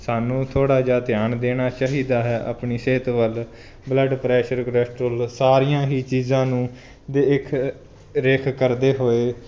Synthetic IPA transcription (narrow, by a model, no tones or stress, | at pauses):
saːnũːt̪ʰoːɽaːd͡ʒaːt̪ɪjaːnd̪eːnaːt͡ʃaːɦiːd̪aːɦɛːʔa̰pɳiːseːt̪ʋəl | bləɖpɾɛːʃəɾkɾɛːsʈɾoːlsaːɾiːãːɦiːt͡ʃiːzãːnũː | d̪eːɪkʰ | ɾeːkʰkəɾd̪eːɦoːeː